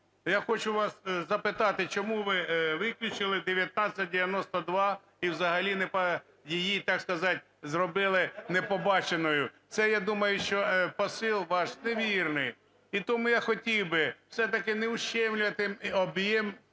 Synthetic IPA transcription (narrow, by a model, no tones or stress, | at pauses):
jaxɔt͡ʃʊʋɑszɐpɪt̪ɑt̪ɪt͡ʃɔmuʋɪʋɪklʲʊt͡ʃɪlˠɪd̪eʋʲjɐt̪̚nɑt͡sʲɐt̚ʲdʲɪʋʲjɐnɔst̪ɔd̪ʋɑ | iwzɐɦɐlʲinepɐ | jɪjit̪ɑkskɐzɑtʲ | zrɔbɪlˠɪnepɔbɑt͡ʃenɔjʊt̪sɛjad̪umɐjʊʃt͡ʃɔpɔsɪlˠʋɑʃneʋʲirnɪj | it̪ɔmujaxɔtʲiwbɪwsɛt̪ɐkɪneʊʃt͡ʃːɛmlʲʊʋɐt̪ɪmɔbjɛm